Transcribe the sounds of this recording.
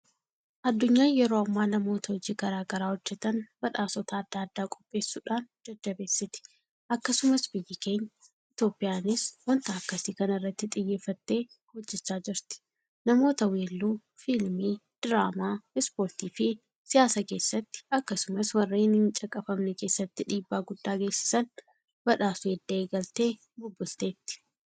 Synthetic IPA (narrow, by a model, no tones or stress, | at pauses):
ʔɐd̪ːʊɲːaːjɛɾoːɐmːaːnɐmo̞ːt̪ɐhɔd͡ʒiːɡɐɾaːɡɐɾaːhɔd͡ʒːɛt̪ɐnbɐᶑaːsɔt̪aːd̪ːaːd̪ːaːkʼɔpʼːe̞ːsːuːᶑaːnd͡ʒɐd̪ːɐbe̞ːsːɪt̪ɪ̥ | ʔɐkːɐsʊmɐsbɪjːɪke̞ːɲːɐ | ɪt̪jo̞ːpʼɪjaːnɪswɐnt̪aːkːɐsiːkɐnɐɪrːɐt̪ːɪt̪ʼɪjːe̞ːfːɐt̪ːe̞ː | hɔd͡ʒːɛt͡ʃːaːd͡ʒɪɾt̪ɪ̥ | nɐmo̞ːt̪ɐweːlːuː | filmiː | d̪̥ɪɾaːmaːɪspoːɾt̪iːfɪ | sɪjaːsake̞ːsːɐt̪ːɪ̥ɐkːɐsʊmɐswɐrːeːnɪnt͡ʃʼɐkʼːɐfɐmnɛke̞ːsːɐt̪ːɪᶑiːbːaːɡʊd̪ːaːɡe̞ːsɪ̥sɐn | bɐᶑaːsʊeːd̪ːɐeːɡɐlt̪e̞ː | bʊbːʊlt̪e̞ːt̪ːɪ̥